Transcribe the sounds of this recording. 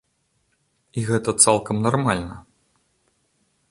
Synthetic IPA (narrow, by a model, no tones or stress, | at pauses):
iɣɛt̪ɐt̪salˠkɐmnarmalʲnɐ